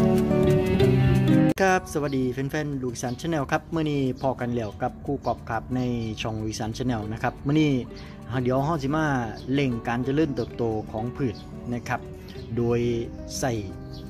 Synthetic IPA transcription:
kʰa˦˥˩p̚sa˧wa˨˧t̪̚diː˧fe˧nfɛː˧˩˨nluː˧˩˧saː˨˦nt͡ɕʰa˧˥nːɛː˧wkʰa˦˥p̚mɯ˥˩ɐniː˥˩pʰɔː˧ka˧nlɛː˧˩wka˧˦˩p̚kʰuː˧˩kɔː˨˩p̚kʰa˨˧˩p̚na˧˩jt͡ɕʰɔ˧ŋluː˧˩saː˨˩˦nt͡ɕʰːnɛː˧wna˦˥kʰa˦˥p̚mɯ˥˩˨niː˥˩ | haː˧˩di˨˦ʔɦɔ˧˥˩ws̬ʰiː˧˦maː˧˥˩le˧˩ŋkaː˧nt͡ɕa˨˧˩lɯː˥˩nt̪ɤː˨˩p̚t̪oː˧kʰɔː˩˦ŋpʰɯː˨˩t̪̚ | na˦˥kʰa˦˥p̚ | doː˧j | sa˨˩j

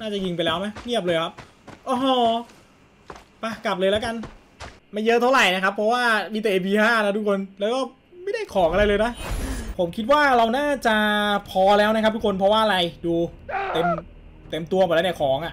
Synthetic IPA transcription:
naː˥˩t͡ɕa˨˩ji˧ŋpa˧jlɛː˦˥wma˦˥jni˥˩əp̚lɤː˧jkʰa˦˥p̚ | ʔɔː˧ɦɔ˧˩ | pa˧˩ka˨˩p̚lɤː˧jlɛː˦˥wka˧n | ma˧˩jɤ˦˥t̪ʰa˥˩wɾa˨˩jna˦˥kʰa˦˥pʰːɔ˦˥waː˥˩miː˧t̪ɛ˨ʔeː˧pʰiː˧haː˥˩na˦˥t̪ʰu˦˥kʰo˧nlɛː˦˥wkɔː˥˩ | ma˥˩jda˥˩jkʰɔː˩˦ŋʔa˧ɾa˧jlɤː˧jna˦˥pʰo˩˦mkʰi˦˥t̪̬̚waː˥˩ɾa˧wnaː˥˩t͡ɕa˨˩ʔpʰɔː˧lɛː˦˥wna˦˥kʰa˦p̚t̪ʰu˥kʰo˧npʰɾɔ˦˥waː˥˩ʔa˧ɾa˧jduː˧t̪e˧m | t̪e˧mt̪u˧ɐ˨˩lɛː˦˥ni˦˥˩kʰɔː˩˦ŋʔa˨˩ʔ

